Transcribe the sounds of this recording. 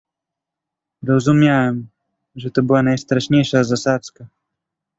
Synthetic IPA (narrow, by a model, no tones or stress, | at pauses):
ɾɔzumʲjawɛm | ʐɛt̪ɔbɘwanajst̪ɾaʂɲejʂazasat̪ska